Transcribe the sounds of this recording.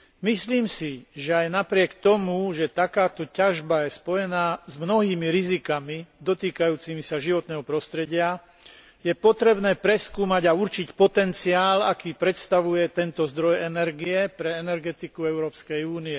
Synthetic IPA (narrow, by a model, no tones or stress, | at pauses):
misliːmsiʒɛajnapɾɪɛkt̪ɔmuʒɛt̪akaːt̪ɔcaʒbajɛspɔjɛnaːzmnɔɦiːmiɾizikamid̪ɔt̪iːkajuːt͡simisaʒiʋɔt̪nɛːɦɔpɾɔst̪ɾɛɟɪa | jɛpɔt̪ɾɛbnɛːpɾɛskuːmaɟauɾt͡ʃicpɔt̪ɛnt͡siaːla̰kiːpɾɛt̪st̪aʋujɛt̪ɛnt̪ɔzd̪ɾɔjɛnɛɾɡiɛpɾɛɛnɛɾɡɛt̪ikuɛʊɾɔːpskɛjuːniɛ